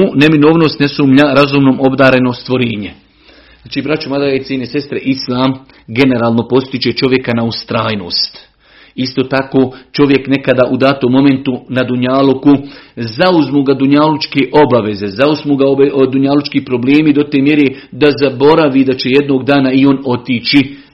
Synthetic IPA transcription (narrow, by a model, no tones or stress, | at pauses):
une̞mino̞ːʋno̞ːst̪nesuːmʎaɾazuːmnoːmo̞bd̪aːɾe̞no̞st̪ʋo̞ɾeːɲe | aːt͡ʃiːbɾat͡ʃumad̪ait̪ijenesest̪ɾeʔislˠaːm | ɡe̞ne̞ɾaːlˠno̞po̞st̪it͡ʃe̞t͡ʃo̞ʋje̞kanaust̪ɾaːjno̞̰ːst̪ | ist̪oːt̪akoːt͡ʃo̞ʋje̞kne̞kad̪aʔud̪aːt̪omo̞me̞nt̪unad̪uɲaːlukuzauzmuːɡad̪uɲalut͡ʃkeːʔo̞baʋe̞ze̞zauzmuɡad̪uɲalut͡ʃkiːpɾo̞bleːmid̪o̞t̪eːmje̞ɾeːd̪azabo̞ɾaʋid̪at͡ɕe̞je̞d̪noːɡd̪aːnaio̞no̞t̪iːt͡ʃi